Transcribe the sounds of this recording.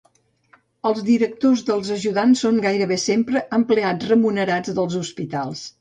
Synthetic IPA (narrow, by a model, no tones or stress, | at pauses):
əlˠzðiɾək̚t̪ozðəlˠzəʒuðansːoŋɡajɾəβesempɾəʔəmplead͡zrəmunəɾad͡zðəlˠzuspit̪alˠs